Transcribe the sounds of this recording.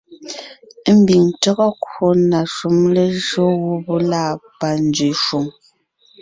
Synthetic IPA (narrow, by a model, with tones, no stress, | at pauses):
m̩˦bi˨ŋ˨tɔ˦ɣɔ˦ko˨na˨ʃu˨mle˦ʒɰɔ˦ɣu˦bu˦laː˦˨pa˨n˦d͡zɥi˨ʃu˨ŋ